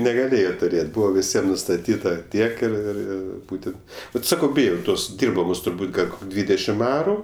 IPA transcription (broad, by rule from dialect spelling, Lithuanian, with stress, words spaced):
nʲɛɡɐˈlʲeːjoː tʊˈrʲeːtʲ ˈbuːʋɐ ʋʲɪˈsʲiɛm nʊstɐˈtʲiːtɐ ˈtʲiɛk ɪr ɪr ˈɪr ˈbuːtʲɛnt ˈbʲɛt ˈsɑːkɐʊ ˈbʲɪjɛʊ ˈtoːs ˈdʲɪrbɐmoːs tʊrˈbuːt ˈɡɐlʲ ˈkoːkʲ ˈdʲʋʲiːdʲɛʃʲɪm ˈɑːrʊ